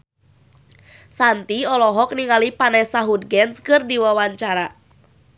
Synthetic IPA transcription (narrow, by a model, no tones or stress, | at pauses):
sant̪iɔlɔɦɔk̚niŋalipanɛsaɦudɡɛnskɨrdiwawaɲt͡ʃaɾa